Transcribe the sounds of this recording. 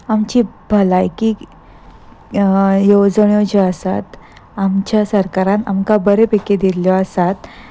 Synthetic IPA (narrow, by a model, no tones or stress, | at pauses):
amt͡ɕiːbʱəlajki | jod͡zɳjod͡ʑeəsat̪ | amt͡ɕjasəɾkaɾana̰mkabəɾepeked̪iljɔəsat̪